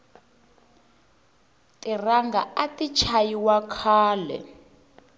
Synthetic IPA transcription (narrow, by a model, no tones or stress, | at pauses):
tʼiraŋɡaatit͡ʃʰajiwakʰaːlɛ̰